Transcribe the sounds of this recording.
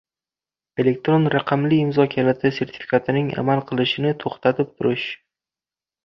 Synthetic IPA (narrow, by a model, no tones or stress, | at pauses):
e̞le̞k̚t̪ɾonɾaqʰɑmliːmzɒkʲʰalat̪ʰɪse̞ɾt̪ʰɪ̥fʲi̥kʰat̪ʰɪnɪŋa̰malˠqʰɨlˠɪʃɪnɪt̪ʰoχt̪ʰat̪ʰɪp̚t̪ʰʊɾɪʃ